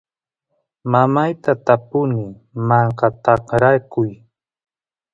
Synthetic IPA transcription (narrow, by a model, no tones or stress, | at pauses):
mamajt̪at̪apʊnɪ | mɑɴqɑt̪ɑqɾakʊj